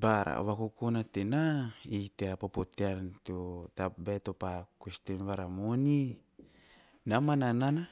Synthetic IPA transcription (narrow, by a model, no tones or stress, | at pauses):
baɾa̰βakukonatenaiteapopoteantotabetopakustenβaɾamoni | namananana